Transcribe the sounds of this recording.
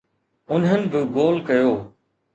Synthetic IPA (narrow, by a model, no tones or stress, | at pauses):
ʊnɦənɪ̆bɪɡoːlkɐjoː